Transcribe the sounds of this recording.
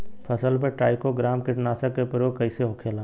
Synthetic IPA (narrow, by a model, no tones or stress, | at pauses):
pʰɐsəlpeʈaːɪkoɡɾaːmkɪʈnaːsəkːepəɾjokɐɪseɦokʰeːlaː